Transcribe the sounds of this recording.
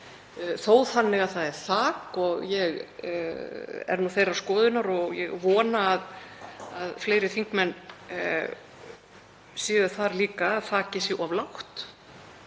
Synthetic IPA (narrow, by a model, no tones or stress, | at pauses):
θoːwθanːɪɣaðθaðɛɾ̥θaːkɔɣjɛɣ | ɛ̰ɾnuθejrḁskɔːðʏnaɾɔɣjɛ̰ɣvɔːnaːð | aðfleːjɾɪθiŋkmɛnː | sjɛːɣʏθaɾliːkaðθaːcɪsjɛɣavlawht̪